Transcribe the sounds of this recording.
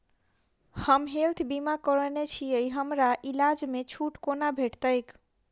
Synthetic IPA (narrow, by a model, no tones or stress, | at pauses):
həmɦelt̪ʰbimakəɾənet͡ʃʰiəjɦəmɾaʔilad͡ʒmet͡ʃʰuʈkonabʱeʈt̪əjk